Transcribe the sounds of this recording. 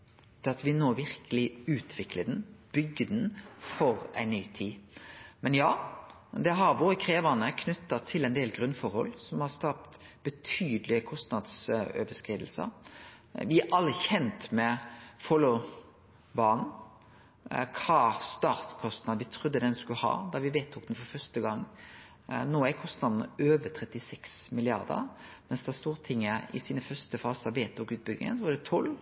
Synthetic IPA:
d̪̥ɛɑt̪ʋɪnoːʋɪɾkʰəlɪʉːt̪ʰʋɪkləd̪ɛnb̥ʏɡːəd̪nfɔɾæɪnːyːt̪ʰiːmɛnjɑː | d̪ɛɦɑɾʋoːɾəkʰɾeːʋənəkʰnʉt̪ːɑt̪ʰɪlɛɪnd̪eːlɡɾʉnfɔɾhɔ̰lːsɔmhɑsk̪ɑp̚t̪b̥ət̪ʰyːd̪lɪkʰɔst̪nɑd̪sø̰ːʋəskʁiːd̪l̩sə̰ | ʋɪæʔɑlːəçɛnt̪mɛfɔlu | bɑːɳ̩ | kʰɑːst̪ɑːɾt̪kʰɔst̪nɑd̪ʋɪt̪ʰɾʊd̪ːəd̪ɛnskʉhɑ̰ːd̪ɑʋɪʋeːt̪ʰːuːk̚d̪nfɔɾfœst̪əɡɑŋː | noːækʰɔst̪nɑd̪n̩øːʋət̪ʰɾɛt̪ɪsɛksmɪlɪɑ̰ʁd̪ə̰ɾmɛnsd̪ɛæst̪uːʁt̪ʰɪŋːəɪ̰siːnəfœɾst̪əfɑːsəʋeːt̪ʰukʉːt̪̚bʏɡ̪ɪ̰ŋə̰nsɔʋɑd̪ɛt̪ʰɔl

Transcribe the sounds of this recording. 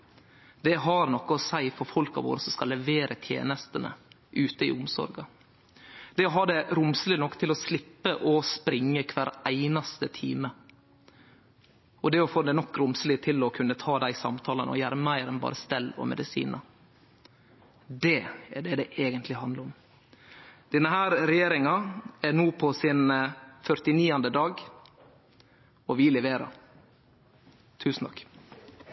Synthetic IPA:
d̪ɛɦɑɾnɔkːəɔsæɪfɔɾfɔlkɑ̰ʋo̰ːɾəsɔmskɑlːɛʋeːɾʔət̪ʰjḛːnəst̪ənə̰ | ʔʉːt̪əɪ̰ʊmsɔ̰ɾɡɑ | d̪ɛɔɦɑɖ̪ɛɾʊmsəlɪnɔkːt̪ʰɪlɔslɪpːəʔɔspɾɪŋːəkʰʋæɾæɪnɑst̪ət̪ʰḭːmə | ʔɔd̪ɛɔfoːd̪ɛnɔkːɾʊmslɪt̪ʰɪlɔkʰʉnːət̪ʰɑːd̪æɪsɑ̰mt̪ʰɑːlənəɔ̰jæːɾəmæɪɾɛnbɑ̰ːɾəst̪ɛlːɔ̰mɛ̰d̪ɪsḭːnə | d̪ɛɛɖɛd̪ɛʔeːɡənt̪lɪhɑnd̪ləɾɔm | d̪̥ɛnːəhæːɾɾɛjeːɾɪŋɑɛnuːpʰɔsɪnfœɾt̪ɪniːɑnd̪əd̪ɑːɡ | ɔʋɪlɛʋeːɾɑ̰ | t̪ʰʉːsn̩t̪ʰɑ̰kː

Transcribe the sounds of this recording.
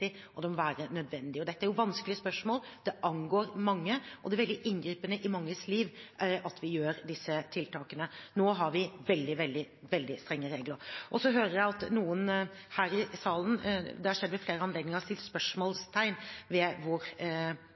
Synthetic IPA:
ɪ | ʔɔd̪ɛmɔʋæːɾənœd̪ʋɛnd̪ɪɔd̪ɛt̪ːəæɾjʊʋɑnskəlɪəspœʂmoːld̪̥ɛʔɑnɡoːɾmɑŋːəʔɔd̪ɛʋɛld̪ɪʔɪnɡɾiːpənəʔɪmɑŋːəsliːʋɑt̪ʋɪjøːɾd̪ɪsːət̪ʰɪlt̪ʰɑːkənənoːɦɑɾʋɪʋɛld̪ɪʋɛld̪ɪ | ʋɛld̪ɪst̪ɾɛŋːəɾeːɡləɾʔɔsɔɦøːɾəɾjæɪɑt̪nuːənhæːɾɪsɑːlən̩d̪ɛhɑɾʂɛd̪ːʋmɛfleːɾəɑneːd̪nɪŋəɾt̪ʰɪlspœʂmoːlst̪ʰæɪnʋɛʋʊɾ

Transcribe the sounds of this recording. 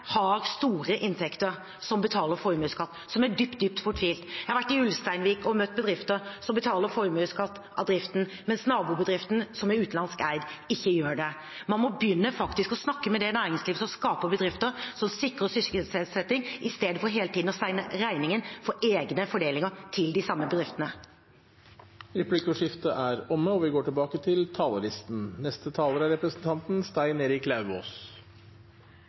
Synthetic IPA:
hɑɾst̪uːɾəʔɪnt̪ʰɛkt̪əɾ | sɔmbət̪ʰɑːləɾfɔɾmʉːskɑt̪ːsɔmæɖyːpt̪̚d̪yːp̚t̪fʊʈʋiːlt̪jæhɑɾʋæʈːɪʉlst̪æɪnʋiːkɔmœt̪ːbəd̪ɾɪft̪əɾsɔmbət̪ʰɑːləɾfɔɾmʉːskɑt̪ː | ɑ̰d̪ɾɪft̪n̩ | mɛnsnɑːbuːbəd̪ɾɪft̪n̩sɔmɛɾʉːt̪nɑnskæɪd̪ɪçːəjøːɖɛ | mɑnmɔbjʏnːəfɑkt̪ɪskɔsnɑkːəmɛd̪ɛnæːɾɪŋsliːʋsɔmskɑːpəbəd̪ɾɪft̪əɾsɔmsɪkɾəsʏç̪sɛsɛt̪ːɪŋɪst̪eːd̪əfɔɾɦeːlət̪ʰiːd̪n̩ɔsæɪnəɾæɪnɪŋənfɔʔeːɡnəfɔɖeːlɪŋət̪ʰɪld̪ɪsɑmːəbəd̪ɾɪft̪ənə | ɾɛpʰlɪkʊʂɪft̪əʔæɾɔmːəɔʋɪɡoːʈɪlbɑːkət̪ʰɪlt̪ʰɑːləlɪst̪n̩nɛst̪ət̪ʰɑːləɾæɾɛpɾəsn̩t̪ʰɑnt̪nst̪æɪneːɾɪklɑʉʋo̰ːs

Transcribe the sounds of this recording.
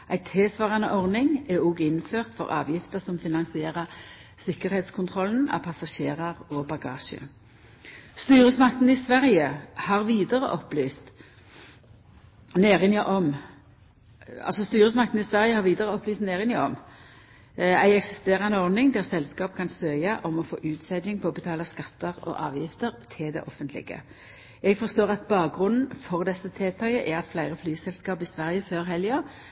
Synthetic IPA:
ʔæɪt̪ʰeːsʋɑːʁɑnə̰ʔɔʁnɪŋɛuːɡɪnːføːʁt̪fɔ̰ʁɑ̰ːʋjɪft̪əʁsɔmfɪnɑŋsɪeːʁəʁsɪkːəʁheːt̪skʰʊnt̪ʰʁɔln̩ɑ̰pʰɑsɑʃeːʁɑʁɔbɑɡɑ̰ːʃə̰ | st̪yːʁəsmɑkt̪n̩ɪsʋæʁjəhɑʁʋiːd̪əʁə̰ʔɔplyːst̪ | neːʁɪniʔɔm | ɑ̰lsɔst̪yːʁəsmɑk̚t̪n̩ɪsʋæʁjəhɑʁʋiːd̪əʁəɔpːlyːst̪neːʁɪnɪɔ̰m | æɪɛksɪst̪eːʁɑnəɔʁd̪ɪŋd̪æʁsɛlskɑːp̚kʰɑnsœʏəʔɔmɔfo̰ːʔʉːt̪sɛd̪ɪŋpʰɔbət̪ʰɑːləskɑt̪ːəʁɔ̰ʔɑːʋjɪft̪əʁt̪ʰɪld̪ɛ̰ʔɔfənt̪lɪ̰ɡə̰ | jɛɡfɔʁst̪oːʁɑt̪bɑːk̚ɡʁʉnn̩fɔʁd̪ɛsːət̪ʰeːt̪ʰɑəʔæʁɑt̪flæɪʁəflyːsɛlskɑːpɪsʋæʁjəføːʁɦɛljo

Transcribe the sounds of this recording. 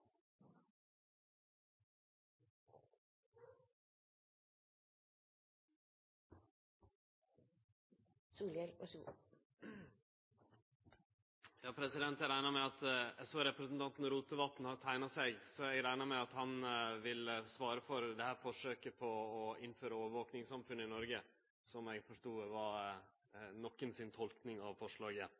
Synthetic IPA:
suːljɛɾɔsu | jɑːpʰɾɛsɪd̪ɛnt̪æɾæɪnɑmɛɑt̪ɛsoːɾɛpɾɛsnt̪ʰɑnt̪n̩ɾuːt̪əʋɑt̪n̩hɑɾt̪ʰæɪnɑsɛɡsɔɛɡɾæɪnɑmæɑt̪hɑnʋɪlsʋɑːɾəfɔɾd̪ɛhæːɾfɔʂøːkəpʰɔːɪnːføːɾəoːʋəʋoːknɪŋsɑmfʉnːəɪnɔɾɡə | sɔmɛɡfɔʂʈuːʋɑ | nɔkːənsɪnt̪ʰɔlknɪŋɑʋfɔʂɭɑːɡə

